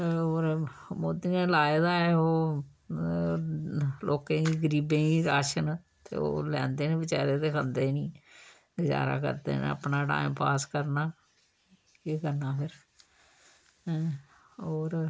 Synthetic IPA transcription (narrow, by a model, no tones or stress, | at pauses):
oːɾ | moːd̪inẽːlaːeːd̪aːɛoː | loːkẽːiːɡəɾiːbẽːiːɾaːʃən | t̪ḛːo̰ːlɛ̰̃ːnd̪eːnẽːbɪt͡ʃaːɾeːt̪eːkʰənd̪eːnĩː | ɡɪd͡ʒa̰ːɾa̰ːkə̰ɾd̪ḛːn̰ə̰pnaːʈa̰ːɪmpaːskəɾnaː | eːkəɾnaːpʰɪɾ | oːɾ